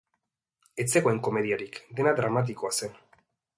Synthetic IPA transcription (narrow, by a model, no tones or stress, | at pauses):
e̞t͡se̞ɣoe̞ŋko̞me̞ð̞iaɾikd̪e̞nad̪ɾamat̪̬ikoase̞n